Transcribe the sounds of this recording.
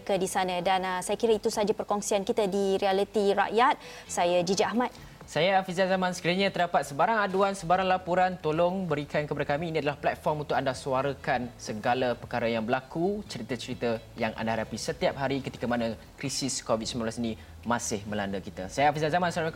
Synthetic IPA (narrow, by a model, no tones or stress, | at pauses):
kədisanə̃danasajakiɾəit̪usad͡ʒapərkoŋsiankit̪adiɾialit̪iɾa̰ʔjat̪̚ | sajad͡ʒid͡ʒaahmat̪̚ | sajaafizazamãnsəkəɾəɲə̃t̪ərdapat̪̚səbaɾaŋaduansəbaɾaŋlapuɾant̪olʊŋbəɾikankəpadakamĩːnĩadalahplɛt̪̚fɔrmunt̪ʊk̚andasuaɾəkansəɡalapəkaɾajaŋbəlakut͡ʃəɾit̪ət͡ʃəɾit̪ə | jaŋʔa̰ndahadapisət̪iap̚ɦaɾikət̪i̥kəmanãkɾisiskovit̪̚simãnblasinĩ | mãsɪhmə̃landəkit̪a̰sajaafizazamãns